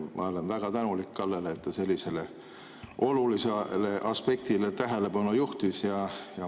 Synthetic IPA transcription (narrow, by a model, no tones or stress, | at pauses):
mʔɑ̰o̞le̞nvæɡ̥ɑt̪ænulikkɑlːeleːt̪ːɑse̞lʲːise̞le | ʔo̞lulisele̞ʔɑspe̞k̚t̪ile̞t̪æɦele̞pɑnujuht̪isjɑjɑ